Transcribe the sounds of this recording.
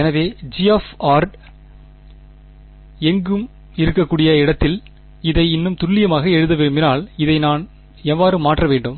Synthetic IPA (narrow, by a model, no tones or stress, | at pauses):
ɛnɐʋeːd͡ʒiɛfaːɾɖ | ɛŋɡɯm | ɪɾɯkːɐkːuːɽɪjɐɪɽɐt̪ːɪl | ɪðɐɪɪnːɯmt̪ʊɭːɪjɐmaːɣɐɛɻɯðɐʋeːbɪnaːɭɪðɐɪnaːn | ɛʋːaːɾɯmaːʈrɐʋeːɳɖɯm